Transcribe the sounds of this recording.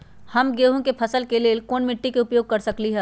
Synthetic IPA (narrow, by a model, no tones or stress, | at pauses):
hɐmɡeːɦũkepʰɐsəlkeleːlkoːnmɪʈːikeʊpjoːɡ̚kɐɾsɐkliɦɛː